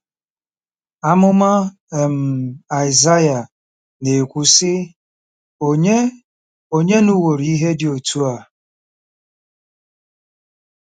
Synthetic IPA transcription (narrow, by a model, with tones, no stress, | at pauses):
a˦mʊ˦ma˦˨ | m̩˨a˨ɪ˨za˦ja˨ | ne˨kʷu˨sɪ˦˨˦ | o˨ɲe˦nu˦wo˨ɾi˨i˦ɦe˦dɪ˨o˨tu˦a˨